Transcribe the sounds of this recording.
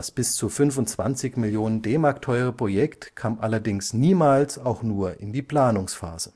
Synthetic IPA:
asb̥ɪst͡suːfʏnvʊntt͡sv̥a̰nt͡sɪçmɪljoːnəndeːmaɐk̚tʰɔʏəʁ̞əpʁ̥ojɛktkʰaːmʔalɐdɪŋsniːmaːlsaʊxnuːɐʔɪndiːpl̥aːnʊŋsfa̰ːz̥ə

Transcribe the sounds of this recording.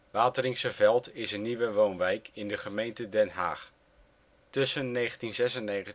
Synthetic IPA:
ʋaːtərɪŋsəvɛlˠtɪsənːiʋəʋownʋɛjkʰɪndəχəmejntədɛnɦa̰ːχ | tɵsənːeːχəntinzɛsənːejχə

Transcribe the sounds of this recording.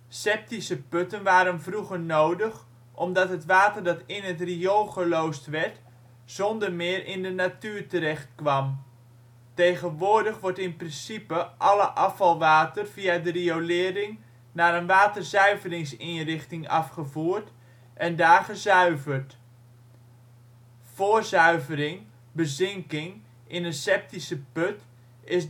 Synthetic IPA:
sɛp̚tisəpɵtənʋaːɾənvruχəɹnowdəχ | ʔɔmdɑtɦətʋaːtərdɑtɪnɦətriolˠχəlowstʋɛɹt | z̥ɔndəɹmɪːrʔɪ̰ndənatyːɹtəɾɛχt̚kʋɑm | tejχənʋʊːɹdəχʋɔɹtɪnprɪnsipəʔɑləʔɑfɑlˠʋaːtərv̥iadəriolɪːəɾɪŋ | naːɾənʋaːtərzœɥvərɪŋsinrɪχtɪŋɑ̰fχəvuːɹt | ʔɛndaːrχəzœɥvərt | foːzœɥvəɾɪŋ | bəzɪŋkɪŋ | ɪnənsɛp̚tisəpøt | ɪs

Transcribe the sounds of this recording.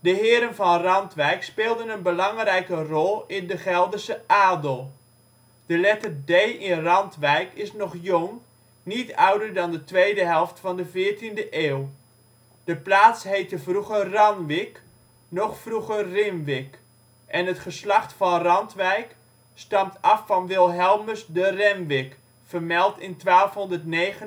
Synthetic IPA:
dəɦɪːɾənvɑnrɑntʋɛjkspɪːlˠdənənbəlɑŋrɛjkərɔlˠɪndəχɛlˠdəsəʔaːdəlˠ | d̥əlɛtərdejʔɪnrɑntʋɛjkɪsnɔχjʊŋ | nitœwdəɹdɑndətʋejdəɦɛlˠftfɑndəvɪːɹtindəʔeːw | d̥əplaːtsɦejtəvruχərɑnʋɪk | nɔχfruχərrɪmʋɪk | ʔɛnɦətχəslɑχtfɑnrɑntʋɛjk | stɑmtɑfːɑnʋɪlˠɦɛlˠməsdərɛmʋɪk | fəɹmɛlˠtɪntʋaːlˠfɦɔndəɹtnejχə

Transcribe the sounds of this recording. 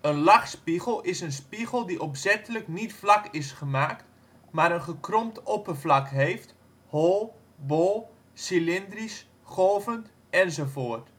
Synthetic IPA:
ənlaχspiɣəlˠɪsənspiɣəlˠdiʔɔpsɛtələknitflakɪsχəmaːkt | maːɾənχəkrɔmtopərvlakɦeːft | holˠ | bolˠ | silɪndris | χoːvənt | ɛnzofoːərt

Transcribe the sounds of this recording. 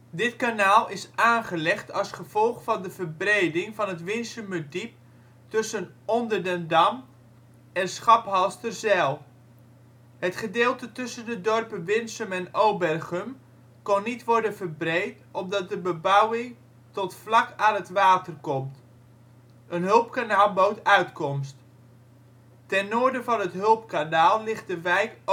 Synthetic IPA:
dɪtkanaːlˠɪsaːnχəlɛχtɑlˠsχəv̥ɔlˠχfɑndəvərbrejdɪŋvɑnɦətʋɪnsəmədip̚ | tɵsən | ɔndərdəndɑm | ɛnsχɑpɦɑlˠstərzɛlˠ | hətχədɪːlˠtətɵsəndədɔrpənʋɪnsəmɛnowbɛrχəm | kɔnːitʋɔɹdənvərbrejt | ɔm̚dɑt̚dəbəbawɪŋ | tɔtflɑkaːnɦətʋaːtərkɔmt | ənɦɵlˠpkanaːlˠbowtœɥtkɔmst | tɛnːoːɹdəvɑnɦətɦɵlˠpkanaːlˠːɪχt̚dəʋɛjk

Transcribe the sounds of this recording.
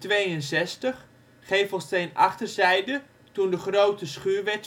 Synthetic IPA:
tʋejənsɛstəχ | χejfəlˠstejnɑ̰χtərzɛjdə | tundəχrowtəsχyːɹʋɛt

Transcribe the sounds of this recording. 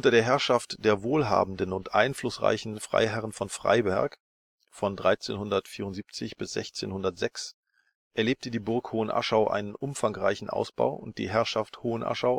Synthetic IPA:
ʔʊntɐɾeːɐɦɛɐʃaftd̥eːɐvoːlɦa̰ːbmn̩dən̩ʊntʔaɪnflʊsʁa̰ɪçn̩fʁ̥a̰ɪɦɛʁənfɔnfʁ̥a̰ɪbɛɐk | fɔndʁaɪt͡sḛːnhʊndɐtfiːʁʊntziːp̚t͡sɪçb̥ɪsz̥ɛ̰çt͡sḛːnhʊndɐtz̥ɛks | ʔɛɐleːp̚tədiːbʊɐkhoːənʔa̰ʃaʊʔa̰ɪnənʔʊmfaŋʁa̰ɪçn̩ʔa̰ʊsb̥a̰ʊʔʊnt̚d̥ḭːɦɛɐʃafthoːənʔa̰ʃaʊ

